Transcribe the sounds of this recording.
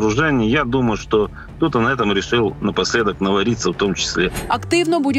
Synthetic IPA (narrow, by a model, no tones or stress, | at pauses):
ɾʊʐɛnʲɪjjad̪uməjʊʂt̪o | t̪ut̪ənɐɛt̪əmɾʲɪʂɨlˠnəpɐsʲlʲe̞d̪əknəvɐɾʲit̪sːəft̪o̞mt͡ɕɪ̥sʲlʲeɐkt̪ivnəbudʲɪ